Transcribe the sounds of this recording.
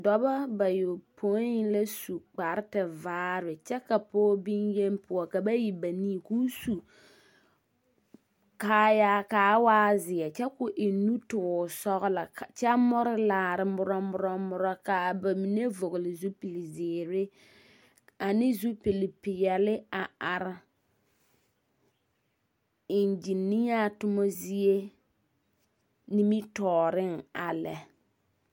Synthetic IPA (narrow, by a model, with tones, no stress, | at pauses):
dɔ˨ba˦ba˨jo˨pʰo˦ɪ˦la˦su˨k͡pa˨ɾɪ˦tɪ˨vaː˦ɾɪ˨t͡ʃɛ˦ka˨poː˦bi˦nje˦npʊ˦ɔ˨ka˨ba˦ji˨ba˨niː˦˨ku˦su˨ | kaː˦ja˦kaː˨˦waː˦zɪ˨ɛ˨t͡ʃɛ˦kʊ˨ʔɪ˨nu˦tʊ˨sɔ˦ɣʊ˦la˨t͡ʃɛ˦mʊ˦ɾɪ˦laː˨ɾɪ˨mʊ˦ɾɔ˦mʊ˦ɾɔ˦mʊ˦ɾɔ˦kaː˨ba˨mi˨ne˦vo˨ɣʊ˨lɪ˨zu˦pi˨li˨zɪː˨ɾɪ˦ | a˨nɪ˦zu˦pi˨li˨pɪ˨jɛ˨lɪ˦a˨a˨ɾɪ˨ | i˨nd͡ʒi˨ni˦ja˦tʊ˦mɔ˦zi˦e˦ | ni˦mi˦tɔː˨ɾɪ˦ŋa˨lɛ˨